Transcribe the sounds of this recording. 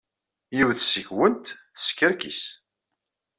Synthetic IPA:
jiwθsəçwənt̪θə̥skːəɾkḭs

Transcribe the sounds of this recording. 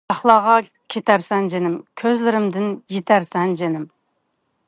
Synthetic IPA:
ɑχlˠɑːʁɑ | kʲʰet̪ʰæɾsɛnd͡ʒenɪmkʲʰøzlɪɾɪmd̪ɪnjet̪ʰæɾsɛnd͡ʒenɪm

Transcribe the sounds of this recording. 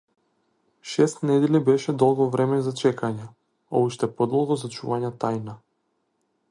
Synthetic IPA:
ʃɛst̪nɛd̪ɛlibɛʃɛd̪ɔlˠɡɔvɾɛmɛzat͡ʃɛkaɲɛ | ɔ̰uʃt̪ɛpɔd̪ɔlˠɡɔzat͡ʃuvaɲat̪ajna

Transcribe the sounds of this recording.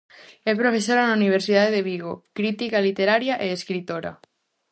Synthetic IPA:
ɛpɾofesoɾanauniβ̞eɾsiðaðeðeβiɣokɾit̪ikalit̪eɾaɾjaʔeeskɾit̪oɾɐ̰

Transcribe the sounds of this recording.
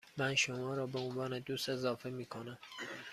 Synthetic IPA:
mænʃomɒːɾɒːbeonvɒːned̪uːst̪e̞zɒːfe̞miːkʰonæm

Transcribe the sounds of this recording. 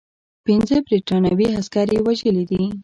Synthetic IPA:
pinzəbɾiʈɑnɑwiaskɑɾewaʒəlid̪i

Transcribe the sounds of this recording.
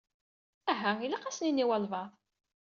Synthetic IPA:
æɦːæilaqæsninːiwælvɑð

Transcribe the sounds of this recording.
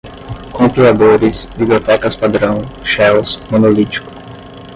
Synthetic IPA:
kõmpilad̪oɾɪsbibliot̪ɛkɐspad̪ɾɐ̃w̃ʃɛwsmõnolit͡ʃi̥kʊ̥

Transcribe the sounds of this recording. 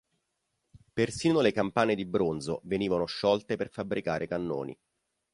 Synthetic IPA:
persiːnolekampaːned̪ibɾonzo̰veniːvanoʃːɔlt̪eperfabːɾʔikaːɾʔekanːo̰ːnḭ

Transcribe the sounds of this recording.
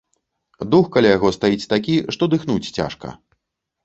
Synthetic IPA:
d̪uxkalʲajaɣɔst̪ajit͡sʲt̪akʲiʂt̪ɔd̪ɨxnut͡sʲt͡sʲa̰ʂkɐ̰

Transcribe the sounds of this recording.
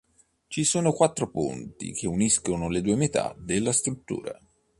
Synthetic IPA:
t͡ʃisoːnokwat̪ːɾopṵnt̪ḭk̟euniskonoled̪uːemet̪a̰d̪elːast̪ɾut̪ːṵːɾa̰

